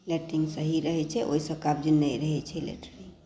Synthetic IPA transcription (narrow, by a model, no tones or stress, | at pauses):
leʈɾiŋɡsəɦiɾəɦɛt͡ʃʰɛʔo̰isə̃kab̚d͡ʒinːəjɾəɦɛt͡ʃʰɛlḛʈəɾiŋ